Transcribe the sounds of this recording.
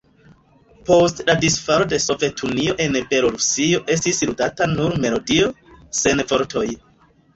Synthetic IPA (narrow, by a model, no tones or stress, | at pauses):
po̞stladisfaɾo̞de̞so̞vetʰunio̞ʔe̞nbe̞lo̞ɾusio̞ʔe̞stisludatanuɾme̞lo̞dio̞se̞nvo̞ɾtʰo̞j